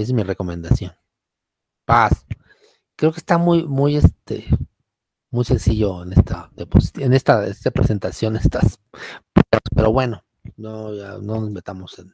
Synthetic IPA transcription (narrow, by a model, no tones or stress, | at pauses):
eszmire̞ko̞mẽ̞nd̪asjo̞n | pas | kɾeokest̪amujmuje̞st̪ḛ | mujse̞nsiʝo̞ene̞st̪aðeposi̥t̪ene̞st̪aest̪apɾese̞nt̪asjo̞nest̪as | pɾspe̞̰ɾoβwe̞no̞ | noʝano̞nozme̞t̪amosen